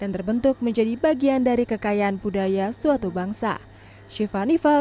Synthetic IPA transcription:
d̥ant̪ərbənt̪ʊk̚məɲd͡ʒadibaɡiandaɾikəkajaanpudajasuat̪ubaŋsa̰ | ʃifanifa

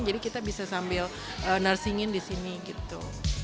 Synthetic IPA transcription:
ŋd͡ʒadikit̪abisasambɪl | ʔənarsiŋɪndisiniɡit̪ṵ

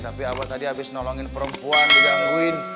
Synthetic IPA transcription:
t̪apiapat̪adiɦabɪsnɔlɔŋɪnpəɾəmpuand͡ʒadiakuɪn

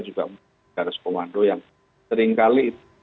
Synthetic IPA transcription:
d͡ʒuɡa̰ʔm | aɾɪskomandojaŋ | səɾiŋkaliːt̪

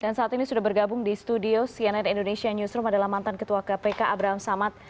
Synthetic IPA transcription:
d̥ansaat̪inisudahbərɡabʊŋdist̪udiosiɛnɛnindonesianusɾumadalahmant̪ankət̪uakapekaʔabɾaɦamsamat̪̚

